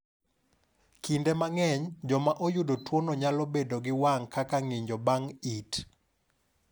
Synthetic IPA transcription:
kindemaŋɛɲd͡ʒɔmaʔojudotwonɔɲalobedoɡɪwaŋkakaŋiɲd͡ʒɔbaŋit

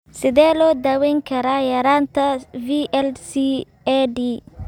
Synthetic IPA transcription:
sɪðɛːlɔːd̪aːwɛŋkʰɐɾaːjɐɾaːnt̪ʰɐviʔɛlsi | ɛɖiː

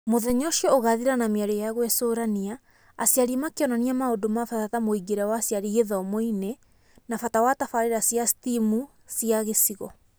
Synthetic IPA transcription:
moðɛɲɔʃiɔoɣaðiɾanameaɾejaɣwɛsoːɾaniaː | sjaɾimakeɔnaniamaodomafatatamoiɡeɾawasjaɾiɣeðɔmoine | nafatawatafaɾeɾasjastimu | siaɣesiɣɔ

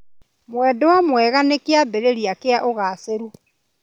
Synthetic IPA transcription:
mwɛdowamwɛɣanekeabeɾeɾiakeaʔoɣaːseɾu

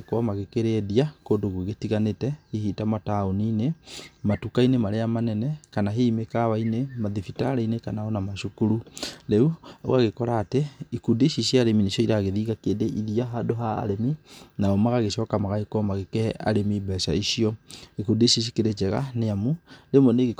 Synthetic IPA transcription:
koamaɣekeɾeðiakoːndoɣueɣetiɣanetɛihiːtamataoniːnematukainemaɾeamanɛnɛkanaɦemekaβainemaðifitaːɾainekanaɔnamaʃukuɾuɾɛuo̰aɣekɔɾaːteikudiʃiʃiaːɾemineʃɔiɾaɣeðiːɣakeːndeʔiðiaɦadoɦaa̰ɾeminaɔmaɣaɣeʃɔːkamaɣaekɔmaɣekɛʔa̰ɾemibɛsa̰iʃiɔikundiʃiʃ̬ikeɾet͡ʃɛɣa̰neamuɾemɔneɣe

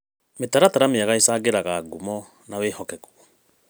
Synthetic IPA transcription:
metaɾataɾameaɣaisaɡeɾaɣaːɡumɔ | naweːhɔkɛɣwɔ

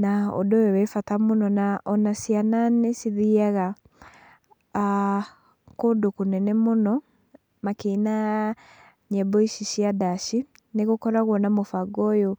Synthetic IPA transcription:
nao̰dowɛwɛfatamonɔnaʔɔnasiananesiðiaɣa | kodokonɛnɛmonɔ | makeina | ɲɛbɔiʃiʃiadaʃi | neɣokɔɾaɣwɔnamofaɡɔjɔ

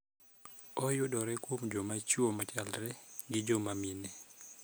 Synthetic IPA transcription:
ɔjʊdɔɾɛkwomd͡ʒomat͡ʃuomat͡ʃalɾɛɡɪd͡ʒomaminɛ

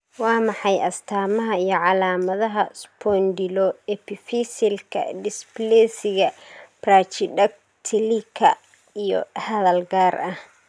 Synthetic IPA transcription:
wɑːmɑħɑjʔɐst̪ʰaːmɐɦɐijɞʕɑlaːmɐðɐɦɐspʰɔnd̪ɪlɔɛpɪfisɪlkʰɐ̰dɪsblɛːsɪɣɐpraːt͡ʃɪɖɐk̚ | t̪ʰɪlikʰɐ | ijɔ̰hɐðɐlɡaːrʔɐh

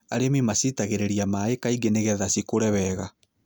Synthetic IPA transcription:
a̰ɾemimasitaɣeɾeɾiamaekaiɡeneɣɛðasikoɾɛβɛɣa

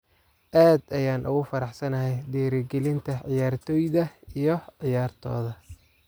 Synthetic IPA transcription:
ʔaːd̪ɐjaːnʔʊ̰ɣʊfɐɾɑħsɐnɐɦɛjd̪iːɾɪɡɛlɪnt̪ʰɐʕɪjaːrt̪ʰɔːjðɐijɞʕɪjaːrt̪ʰɔ̰ːðɐ

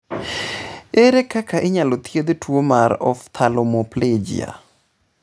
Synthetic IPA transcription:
eɾekakaʔɪɲalot̪jed̪twomaɾɔ̰ft̪ʰalɔmopled͡ʒḭja̰

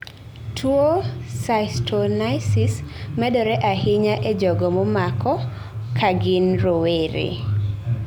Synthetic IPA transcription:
tʰwosaɪstʰɔnajsɪsmɛdɔɾɛʔahɪɲaʔed͡ʒɔɡɔmomakɔ | kʰaɡɪnɾoweɾḛ

